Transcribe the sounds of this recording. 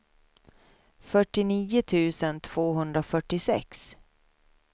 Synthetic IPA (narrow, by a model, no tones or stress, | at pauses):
fœʈːɪniːʊt̪ʰʉ̟ːsənt̪ʰv̥oːɦɵnd̪ɾafœʈːɪsɛ̰ks